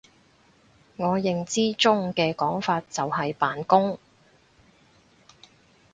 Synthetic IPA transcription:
ŋɔː˨˧jɪ˨ŋt͡siː˥t͡sʊ˥ŋkɛː˧kɔː˨˥ŋfaː˧t̚t͡sɐ˨whɐ˨jpaː˨nkʊ˥ŋ

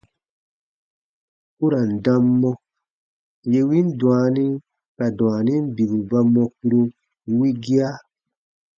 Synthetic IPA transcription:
u˦ɾa˨n̩˨dã˧mːɔ̃˦ | je˧wi˦n˦dw̃a˨nĩ˦ | ka˨d̃a˨nĩ˦m˦bi˨bu˨ba˧mɔ̃˧ku˧ɾo˧˦ | wi˦ɡi˦a˦

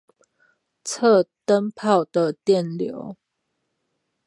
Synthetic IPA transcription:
t͡sʰə˥˨t̪ə˦npʰɑ˥˨ʊd̪ə˨t̪jɛ˥˨nljo̰˨˦ʊ

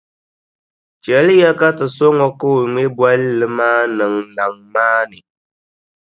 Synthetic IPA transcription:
t͡ʃɛ˨˦lɨ˦ja˦ka˦tɨ˨so˦ŋɔ˦ko˦˨ŋe˦bwa˦llɨ˦maː˦nɨ˨ŋna˨ŋmaː˦nɨ˨

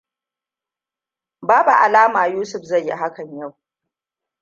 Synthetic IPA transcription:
baː˦bu˨ʔa˨laː˦maː˨juː˦sʊ˨ɸzɐ˦˨jːi˦ɦa˦kɐ˨ɲja˦˨w

